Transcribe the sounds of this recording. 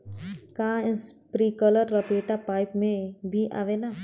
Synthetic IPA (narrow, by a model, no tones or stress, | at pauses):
kãːɪspɾiːkələɾːɐpeːʈapaːɪpmẽbʱiʔa̰ʋenaː